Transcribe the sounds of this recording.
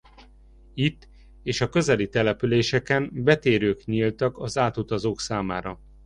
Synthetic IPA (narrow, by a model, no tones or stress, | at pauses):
it̪ː | eːʃɒkø̞zɛlit̪ɛlɛpyleːʃɛkɛnbɛt̪eːɾøːkɲilt̪ɒkɒzaːt̪ut̪ɒzoːksaːmaːɾɒ